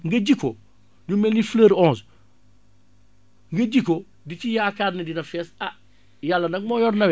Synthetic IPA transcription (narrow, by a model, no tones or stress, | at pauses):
ŋɡɐɟiko | ɲumɛlifləɾɔːns | ŋɡɐɟikːo | dicijaːkaːɾnɐdinɐfɛːsɐ | jalːɐnɐk̚mɔːjɔrnɐwɛ